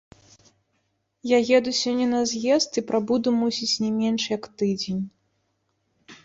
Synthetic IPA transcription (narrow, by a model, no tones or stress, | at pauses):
jaɣʲɛd̪usʲɔnʲːɛnɐzʲjɛst̪ipɾabud̪umusʲit͡sʲnʲɛmʲɛnʂjɐkt̪ɨd͡zʲenʲ